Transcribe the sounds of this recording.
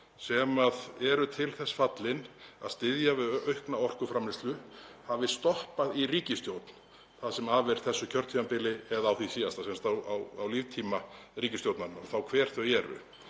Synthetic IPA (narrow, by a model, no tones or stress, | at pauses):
sɛmaðɛɾʏt̪ʰɪlθɛsːfat̪lɪna̰ðst̪ɪðjavɪðœɥhknaɔr̥kʏfɾamɪst̪lʏhavɪst̪ɔhpaðiriːcɪst̪jowt̪n̥ | θaðsɛmavɪɾ̥θɛsːʏcʰœɾt̪ʰiːmapɪlɪɛðawθisiːast̪asɛmst̪awawa̰wliːvt̪ʰiːma | riːcɪst̪jowt̪nanːaɔθawkʰv̥ɛːɾ̥θœɣɛːɾʏ̰